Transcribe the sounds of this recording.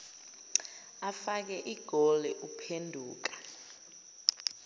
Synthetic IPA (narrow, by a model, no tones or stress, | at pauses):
afak̬ɛʔiɡ̥ʱɔlɛʔupʰendʱuːk̬ḁ